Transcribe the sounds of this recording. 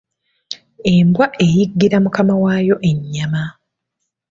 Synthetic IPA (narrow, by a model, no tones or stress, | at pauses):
e̞mbwaʔe̞jiɡːiɾamukamawaːjo̞ʔe̞ɲːama